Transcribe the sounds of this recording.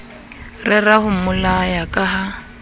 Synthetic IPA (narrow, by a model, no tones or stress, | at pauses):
rɪrahʊmʊlajakʼaɦa